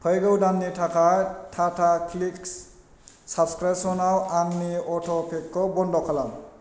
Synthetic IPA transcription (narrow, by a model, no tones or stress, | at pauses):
pʰəjɡəwdanːitʰakajtʰatʰakʰliks | sabskɹasɔnawaŋniɔtʰɔpʰekːɔbɔndɔkʰalam